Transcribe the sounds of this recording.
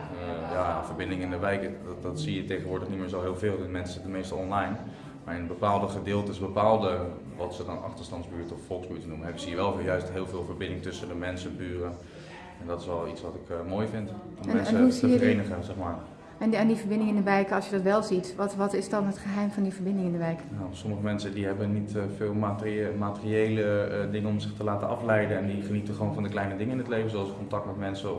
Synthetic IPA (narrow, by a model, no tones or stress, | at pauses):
javəɹbɪndɪŋɪndəʋɛjkədɔtsijətejχənʋʊːɹdləχnimɪːɹsɔlˠɦɪːlˠvɪːlˠɪnmɛnsətənmejstɔlˠɔnlajn | maːɹɪnəbəpaːlˠdəχədɪːlˠtəɪsbəpaːlˠdə | ʋɔtsədɔnɑ̰χtəstɑntzbyːɹtɔffɔlˠksbyːtənuməɛɪzijəʋɛlˠvjœɥstɦɪːlˠveːlˠvəɹbɪndɪŋtɵsəndəmɛnsəbyːrə | ɛndɔtɪ̥sʋɛlˠitsʋɔtɪkmojfɪnt | mɛnsuəvərejnəχənzɛχmaːɹ | ndifəɹbɪndɪŋɪndəʋɛjkɑlˠsjədɔtʋɛlˠzitʋtʋɔtɪsdɑnɦətχəɦɛjmvɔndivəɹbɪndɪŋɪndəʋɛjknasɔməχəmɛnsədiɦɛbənitfɪːlˠmatmaːtəriejlədɪŋənɔmzɪχtəlaːtənɑflɛjdənɛndiχənitəχəʋownvɑndəklɛjnədɪŋəɪnətlejvənzoɑlˠskɔntɑk̚tmɛtmɛnsə